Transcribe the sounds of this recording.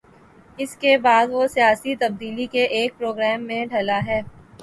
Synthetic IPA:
ɪskebaːd̪ʋosijaːsit̪ɐb̚d̪iːlikeʔeːk̚pɾoːɡɾɛːmːẽɖʱɐlaɦɛː

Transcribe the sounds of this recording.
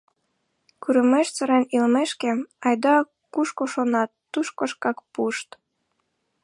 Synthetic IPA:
kyɾə̆meʃt͡sə̆ɾenilmeʃkeɑjd̪ɑ | kuʃkoʃonɑt̪ːuʃkoʃkɑkpuʃt̪

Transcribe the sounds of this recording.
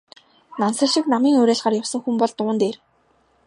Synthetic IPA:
nansə̆ʃɪ̆knamiːŋuɾeːɮɢaːrjawsə̆ŋxumpɔɮt̪ʊːnt̪eːr

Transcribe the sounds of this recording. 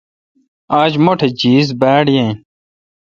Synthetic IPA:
aːd͡ʑmoʈʰed͡ʑiːzbaːɽjẽn

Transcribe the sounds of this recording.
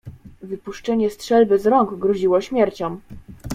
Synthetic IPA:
vɘpuʂt͡ʂɛɲɛstʂɛlbɘzɾɔŋɡɡɾɔʑiwɔɕmʲjɛɾt͡ɕɔm

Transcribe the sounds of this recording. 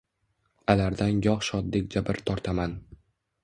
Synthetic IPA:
alaɾd̪anjɒχʃɒd̪ːek̚ʲd͡ʒabɪɾt̪ʰɒɾt̪ʰaman

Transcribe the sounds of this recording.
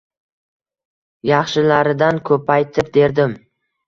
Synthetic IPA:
jɑχʃɪlaɾɪd̪ankʰɵpʰajt̪ʰɪp̚d̪e̞ɾd̪ɪm

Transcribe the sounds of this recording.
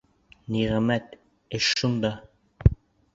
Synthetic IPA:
niʁæmæt̪ | ɘʃːund̪ɑ

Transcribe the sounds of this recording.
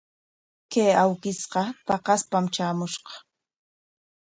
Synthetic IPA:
kejawkɪsqɑp̪ɑqɑspamt͡ʃaːmʊʃqɑ̥

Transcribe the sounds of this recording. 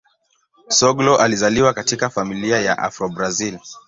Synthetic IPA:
sɔɡlɔʔalizaliwakatikafamiliajaʔa̰fɾɔbɾazil

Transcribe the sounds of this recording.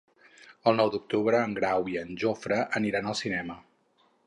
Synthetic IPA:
əlˠnɔwd̪uk̚t̪uβɾəːŋɡɾawiənʲʒofɾəʔəniɾanəlˠsinɛmə

